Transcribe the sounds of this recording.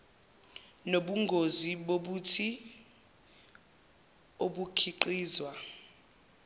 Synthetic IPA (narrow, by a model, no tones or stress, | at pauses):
noɓuŋɡʱoziɓoɓutʰi | oɓukʰiǃiːzwa